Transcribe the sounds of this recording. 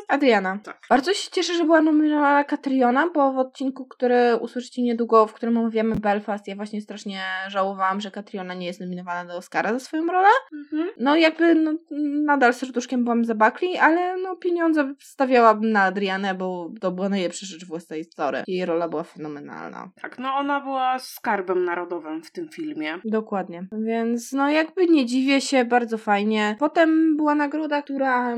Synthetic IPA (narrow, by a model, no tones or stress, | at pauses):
ad̪ɾjanat̪akbaɾd̪zɔɕɛ̥t͡ɕɛʂɛʐɛbɘwanɔmʲinɔvanakat̪ɾjɔnabɔvɔt̪̚t͡ɕinkukt̪uɾɘṵswɘʂɘ̥t͡ɕɛmɲɛd̪wuɡɔfkt̪uɾɘmɔmavʲjamɘbɛlfast̪javwaɕɲɛst̪ɾaʂɲɛʐawɔvawamʐɛkat̪ɾʲjɔnaɲɛjɛst̪nɔmʲinɔvanad̪ɔːskaɾazasfɔjɔ̃w̃ɾɔlɛnɔjaɡ̚bɘnɔnad̪alsɔɾd̪uʂkʲɛmbɘwamzabaklʲialɛnɔpʲjeɲɔnzɛfst̪avʲjawanaːd̪ɾjanɛbɔt̪ɔbɘwanajlɛpʂaʐɛt͡ʂvwasajist̪zɔɾɛ̰jɛjɾɔlabɘwafɛnɔmɛna̰lna̰t̪aknɔɔnabɘwaskaɾbɛmnaɾɔd̪ɔvɘmft̪ɘmfʲilmʲjɛd̪ɔkwad̪ɲɛvʲjɛnt̪snɔjaɡbɘɲɛd͡ʑivʲjɛɕɛbaɾd̪zɔfajɲɛpɔt̪ɛmbɘwanaɡɾɔd̪ak̚t̪uɾa